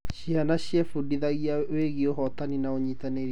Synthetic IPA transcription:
ɕianaɕjɛfudiðaɣiaweɣioɦɔtaninaoɲitaneɾi

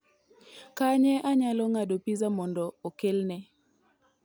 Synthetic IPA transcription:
kaɲɛʔaɲalɔŋadopizamɔndɔːkelnɛ

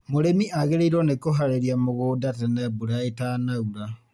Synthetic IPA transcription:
moɾemiʔaɣeɾeiɾonekoɦaɾeɾiamoɣudatenebuɾaetanauɾa

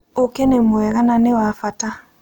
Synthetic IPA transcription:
okenemoɛɣananewafata

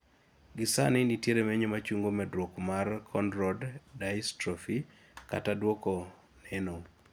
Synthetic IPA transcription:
ɡɪsa̰nɪnitjeɾemeɲomat͡ʃuŋɡomɛdɾwokmarkʰɔndɾɔdːaistɾɔfi | ka̰tadwoko | neno

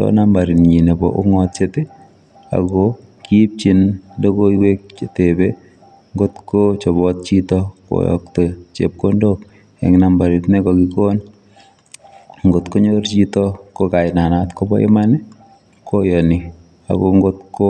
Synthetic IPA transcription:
tɔ̰nambaɾinɲinebɔ̰ʔuŋɔt̚t͡ʃete | a̰ɡo | kip̚t͡ʃindokoiwek̚etebe | ŋɡotkot͡ʃɔbɔt̚t͡ʃitɔko̰jɔ̰ktot͡ʃḛp̚kondok | ḛŋinambaɾitnekɔkikon | ŋɡotkoɲort͡ʃitɔkokaɪnanatkobɔ̰ḛmanɛ | kojɔni | a̰ɡoŋɡotko

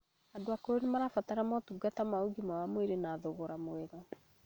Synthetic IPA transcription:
adoakoɾenemaɾafataɾamɔtuɡatamaoɡimawamweɾenaːðoɣoɾamoɛɣɔ

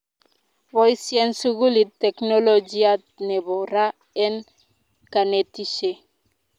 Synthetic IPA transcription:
wojsjɛnsuɡulit̪ːeknolod͡ʒia | neβoɾa | ɛn | kanetiʃe

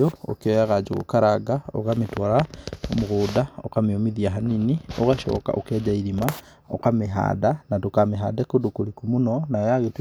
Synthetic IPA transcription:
oo̰keɔjaɣad͡ʒoɣo̰kaɾaɡao̰ɣametwaɾamoɣodao̰kameomiðiaɦaninioɣaʃɔ̰ːka̰ʔokɛd͡ʒaiɾima | okameɦa̰danatokameɦa̰dɛkodokoɾikumunɔnajaɣet

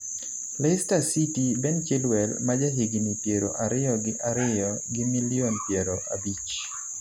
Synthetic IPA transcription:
lɛstasitibɛnt͡ʃɪlwɛlmad͡ʒaɦiɡinipjeɾo̰ʔaɾɪɔɡɪʔaɾɪjɔɡɪmilɪonpjeɾoʔa̰bit͡ʃ

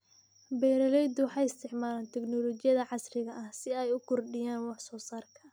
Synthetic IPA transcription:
bɛjɾɐlɛjd̪wɑħɑːjɪst̪ʰɪʕmaːlaːnt̪ʰɛɡnɔlɔt͡ʃɪjɐðɐʕɑsrɪɣɐʔɐhsɪɛjʊkʰɔrɖɪjaːnwɑħsɔːsaːrkʰɐ̥

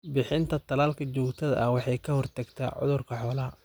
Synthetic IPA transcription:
bɪħɪnt̪ʰɐt̪ʰɐlaːlkʰɐt͡ʃɔːkt̪ʰɐðɐ̰ʔɐwɑħɑjkʰɐhɔrt̪ʰɐɡt̪ʰa̰ʕʊ̰ðʊrkʰɐħɔːlɐɦɐ

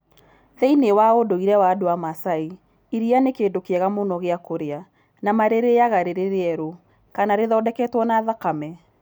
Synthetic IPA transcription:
ðɛinewaodoiɾɛwadoamasai | iɾianekeːdokeɛɣamonɔɣeakoɾea | namaɾeɾeaɣaɾeɾeɾeɛɾo | kanaɾeðɔdɛkɛtwɔnaːðakamɛ

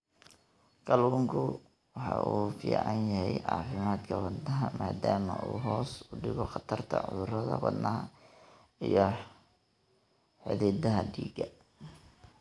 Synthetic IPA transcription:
kɐluːŋkʰʊ | wɑħɑ̰ʔuːfḭːʕɑnjɐhɛjʕɑ̰ːfɪmaːd̪kʰɐwɐnd̪ɐɦɐmaːd̪aːmɐʔuːɦɔːsʊɖɪɣɔqɑt̪ʰɐrt̪ʰɐ̰ʕʊ̰ðʊrɐðɐ̰wɑd̪nɐɦɐ | ijɔ | ħɪðid̪ɐɦɐɖiːɡɐ

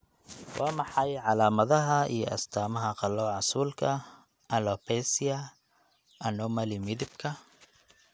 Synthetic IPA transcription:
wʔɑːmɑħɑjʕɑlaːmɐðɐɦɐḭjɔʔɐ̰st̪ʰaːmɐɦɐqɑlɔʕɑsuːlkʰɐ | ʔɐlɔpʰɛsiɐ | ʔɐnɔmɐlɪmɪðɪbkʰɐ

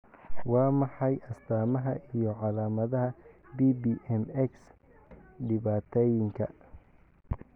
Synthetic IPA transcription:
wɑːmɑħɑjʔɐst̪ʰaːmɐɦɐ̰ʔijɞʕɑlaːmɐðɐɦɐbiːbiːʔɛmɛks | ɖɪβaːt̪ʰɛːjɪŋkʰɐ̰

